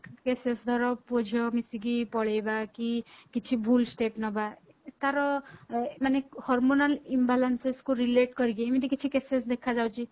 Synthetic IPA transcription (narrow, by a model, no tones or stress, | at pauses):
kesesd̪ʱɔɾɔpud͡ʒʱɔmisiɡipɔɭejbakikit͡ʃʰibʱulsʈepnɔba | t̪aɾɔ | manehɔɾmonalimbalanseskuɾileʈkɔɾiɡiemit̪̬ikit͡ʃʰikesesd̪ekʰad͡ʒawt͡ʃʰi